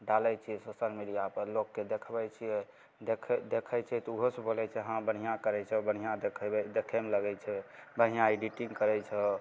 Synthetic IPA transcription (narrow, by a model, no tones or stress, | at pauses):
ɖalɛjt͡ʃʰiɛsoʃəlmiɖijapəɾlokːed̪ekʰbɛt͡ʃʰiɛ | d̪ekʰd̪ekʰɛt͡ʃʰɛt̪ɔuɦosəbolɛt͡ʃʰɛɦãbəɽ̤ijãkəɾɛt͡ʃʰɛbəɽ̤ijãd̪ekʰɛɛd̪ekʰɛmeləɡɛt͡ʃʰɛbəɽ̤̃ijãiɖiʈĩŋɡkəɾɛt͡ʃʰɛ